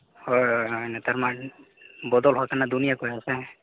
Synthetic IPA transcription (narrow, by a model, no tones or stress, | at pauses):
hɔjɔjɔjnat̪aɹma | bɔd̪ɔlɦɔakʰanad̪unijakojasɛ